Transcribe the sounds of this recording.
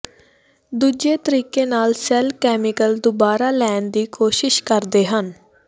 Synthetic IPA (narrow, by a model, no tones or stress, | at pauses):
d̪uːd͡ʒeːt̪əɾiːkeːnaːlsɛlkɛːmɪkəld̪ʊbaːɾaːlɛːnd̪iːkoːʃɪʃkəɾd̪eːɦən